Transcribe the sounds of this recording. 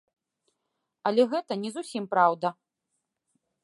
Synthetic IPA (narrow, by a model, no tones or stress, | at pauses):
ɐlʲɛɣɛt̪ɐnʲɛzusʲimpɾawd̪ɐ